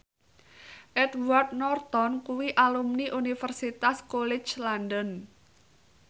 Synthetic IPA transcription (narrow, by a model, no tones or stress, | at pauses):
ʔɛdward̪̚nɔrt̪ɔnkuwiʔalumniʔunifərsit̪askolɛ̥t͡ʃlandən